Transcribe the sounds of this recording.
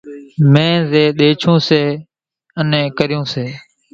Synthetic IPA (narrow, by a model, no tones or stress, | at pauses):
mẽːzeːɗ̪eːt͡ʃʰõːseː | ənẽːkəɾɪjũːseː